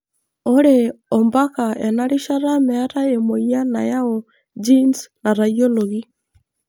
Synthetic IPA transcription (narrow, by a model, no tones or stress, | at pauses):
oɾeɔmbakaɛnaɾiʃaɾamɛaɾaemoianajaɔ | d͡ʒinsnaɾajoloɣi